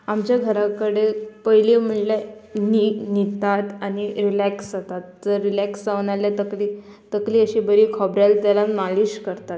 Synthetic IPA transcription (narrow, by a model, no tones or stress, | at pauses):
amt͡ɕjaɡʱəɾakəɽepəjlim̤əɭlaninit̪at̪añiɾilæksat̪at̪̚d͡zəɾːilæksd͡zaʋnaljat̪əkli | t̪əkliːəɕiːbəɾiːkʰɔbɾalt̪jalamaliɕkəɾt̪at̪̚